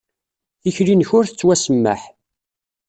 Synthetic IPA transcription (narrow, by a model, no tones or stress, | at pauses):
içɾinçʊɾθə̥t͡sːwæsəmːə̰ħ